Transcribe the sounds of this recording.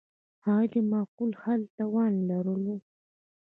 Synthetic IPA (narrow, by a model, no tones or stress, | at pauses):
hɑd̪əmɑqulhalt̪awɑnlaɾulu